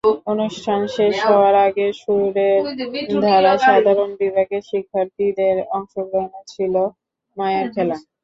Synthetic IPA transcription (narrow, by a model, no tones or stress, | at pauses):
onuʃʈʰanʃeʃɦɔoaɾaɡeʃuɾɾeɾd̪ʱaɾaʃad̪ʱaɾonbibʱaɡeʃikʰːaɾt̪id̪eɾɔŋʃoɡɾonot͡ɕʰilo | majaɾkʰela